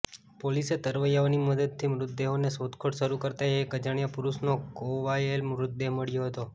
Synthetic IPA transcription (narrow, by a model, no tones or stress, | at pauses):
poliset̪əɾʋəjaoniməd̪əd̪̚t̪ʰimɾʊt̪̚d̪eɦonesot̪kʰoʈʃəɾukəɾt̪aeekəd͡ʒəɳjapuɾuʃnokoʋajelmɾʊt̪̚d̪eɦməɭjoɦət̪o